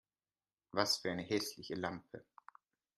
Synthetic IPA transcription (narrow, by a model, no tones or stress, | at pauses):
vasfyːɐaɪnəɦɛslɪçəlampʰə